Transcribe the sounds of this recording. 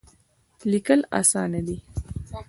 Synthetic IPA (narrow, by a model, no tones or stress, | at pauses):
likəlɑ̰sɑnad̪i